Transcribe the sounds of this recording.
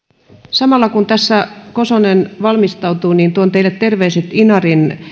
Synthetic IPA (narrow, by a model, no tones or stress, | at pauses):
sɑmɑlːɑkunt̪æsːækosonenʋɑlmist̪ɑut̪uːniːnt̪uont̪eilːet̪t̪erʋeːset̪inɑrin